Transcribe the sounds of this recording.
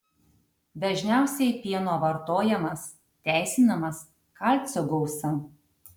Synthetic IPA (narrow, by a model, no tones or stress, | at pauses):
d̪ɐʒʲnʲæˑʊsʲɛɪpʲiɛnoːʋɐɾt̪oːjɛmɐs | t̪ʲæˑɪsʲɪnɐmɐs | kɑlʲt̪ʲsʲoɡɔʊsɐ